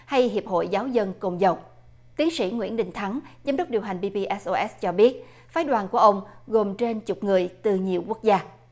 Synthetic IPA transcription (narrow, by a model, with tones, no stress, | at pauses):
ha˧jɦi˨˩əp̚ho̰˧˨jzaː˨˦wzə˧nko˧˩ŋ͡mzə˨˩w | t̪i˨˦ənsḭ˧˩ŋwḭ˧˥ənɗï˨˩ŋ̟t̪ʰa˨˦ŋzaː˨˦mɗə˦˥k͡p̚ɗi˨˩əwɦa˨˩ŋ̟ɓi˧pi˧ʔɛ˦˥sʔo˧ʔɛ˦˥st͡ɕɔ˧ɓi˦˥ət̚ | faː˨˦jɗwaː˨˩nku˧˩əʔə˧wŋ͡mɣo˨˩mt͡ɕe˧nt͡ɕʊ˨˩k͡p̚ŋɨ˨˩əjt̪ɨ˨˩ɲi˨˩əwku˦˥ək̚zaː˧